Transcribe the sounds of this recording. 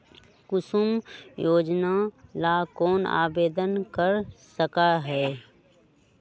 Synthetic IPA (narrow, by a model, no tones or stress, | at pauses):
kʊsumjoːd͡ʒnalaːkɔːna̰ːbeːd̪ənkəɾsəkaɦɛː